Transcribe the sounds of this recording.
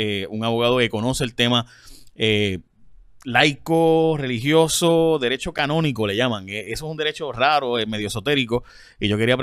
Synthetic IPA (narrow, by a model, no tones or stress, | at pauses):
euŋaβo̞ɣað̞o̞ke̞ko̞no̞se̞ːlt̪e̞ma | e | lajkore̞liɦjo̞soðe̞ɾe̞t͡ʃo̞kanõ̞nikole̞ʝamaŋeesoes̬und̪e̞ɾe̞t͡ʃo̞raɾo̞eme̞ðjo̞so̞t̪e̞ɾiko̞ | iʝo̞keɾiapɾ